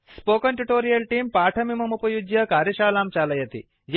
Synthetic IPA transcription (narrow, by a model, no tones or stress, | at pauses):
spoːkɐɳʈuʈoːɾijɐlʈiːmpaːʈʰɐmimɐmupɐjud͡ʒjɐkaːɾjɐʃaːlaːmt͡ʃaːlɐjɐt̪ḭ | j